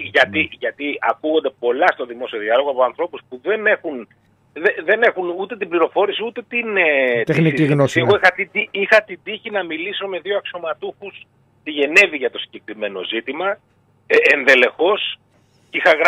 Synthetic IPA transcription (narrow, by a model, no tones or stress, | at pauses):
ʝɐt̪iʝɐt̪iɐkuɣo̞nd̪e̞po̞lɐst̪o̞ðimo̞sio̞ðiɐlo̞ɣoɐpo̞ɐnθɾo̞puspuðe̞ne̞xun | ðeðe̞ne̞xunut̪e̞t̪̬ibliɾo̞fo̞ɾisiut̪e̞t̪inet̪exniiɣnoseɣoixɐt̪id̪iixɐt̪id̪içinɐmiliso̞me̞ðioɐkso̞mɐt̪uxus | t̪iʝe̞ne̞viʝɐt̪o̞si̥ɲɟe̞kɾime̞no̞̰zit̪imɐ | enðe̞le̞xo̞s | ixɐɣɾ